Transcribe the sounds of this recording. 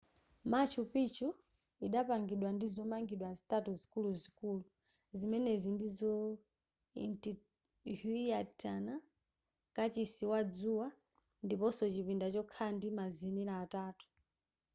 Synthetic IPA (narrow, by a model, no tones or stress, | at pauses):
mat͡ʃʰupit͡ʃu | iɗapaŋɡiɗwandizɔmaŋɡiɗwazitatuzikuluzikulu | zimɛnɛzindizɔ | ḭnti | ɦuiatʰana | kat͡ʃisiwad͡zuwa | ndipɔsɔt͡ʃipindat͡ʃɔkʰandimaziniɾaːtaːtu̥